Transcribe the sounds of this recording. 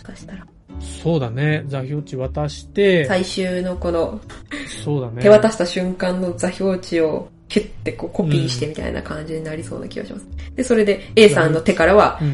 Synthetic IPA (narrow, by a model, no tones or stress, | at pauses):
oɕi̥kaɕi̥t̪aɾa | so̞ːd̪ane̞d͡zaço̞ːt͡ɕiβat̪aɕi̥t̪e̞saiɕɨːno̞ko̞no̞ | soːd̪anet̪e̞βat̪aɕi̥t̪aɕɨ̃ŋkãnːo̞d͡zaço̞ːt͡ɕio̞ | het̪ːe̞ko̞ːkopʲiːɕi̥t̪e̞mʲit̪a̰ḭna̰kãɲ̟d͡ʑiɲ̟inaɾʲisoːna̰kʲiɡa̰ɕimasɨ̥d̪̥e̞so̞ɾe̞d̪e̞e̞ːssãnːo̞t̪e̞kaɾaβa